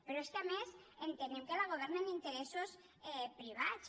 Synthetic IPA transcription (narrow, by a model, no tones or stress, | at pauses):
peɾoeskamesent̪enewkelaɣ̞oβ̞ɛɾnenint̪eɾesos | epɾiβ̞as